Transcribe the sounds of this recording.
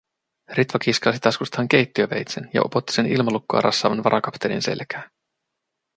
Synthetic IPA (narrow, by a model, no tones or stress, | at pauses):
rit̪ʋɑkiskɑsit̪ɑskust̪ɑɑŋk̟e̞jt̪ːiøʋe̞̰jt̪senjɑ̰ʔo̞̰po̞t̪ːi̥se̞nilmɑlukːoɑ̰ɾʔɑ̰sːɑːʋɑnʋɑɾʔɑkɑpt̪elḭnse̞̰lkæː